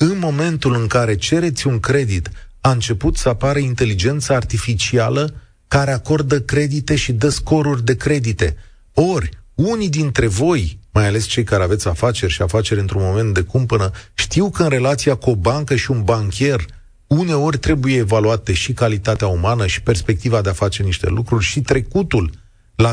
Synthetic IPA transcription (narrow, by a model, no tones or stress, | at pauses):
ɨnmo̞me̞nt̪ulɨŋkaɾe̞t͡ʃe̞ɾe̞t̪sʲuŋkɾe̞d̪it̪aɨnt͡ʃe̞put̪səapaɾəint̪e̞lid͡ʒe̞nt̪saart̪ifit͡ʃialə | kaɾe̞ako̞rd̪əkɾe̞d̪it̪e̞ʃid̪əsko̞ɾurʲd̪e̞kɾe̞d̪it̪e̞̰ | o̞rʲunid̪int̪ɾe̞vo̞jmajale̞st͡ʃe̞jkaɾeavet̪sʲafat͡ʃe̞rʲʃiafat͡ʃe̞ɾʲɨnt̪ɾunmo̞me̞nt̪̚d̪e̞kumpənəʃt̪iwkəɨnre̞lat̪siakuo̞baŋkəʃiunbaŋkʲe̞r | une̞o̞rʲt̪ɾe̞buje̞ːvaluat̪e̞ʃikalit̪at̪eaumanəʃi̥pe̞rspe̞k̚t̪ivad̪e̞afat͡ʃeniʃt̪e̞̰lukɾurʲʃit̪ɾe̞kut̪ul | la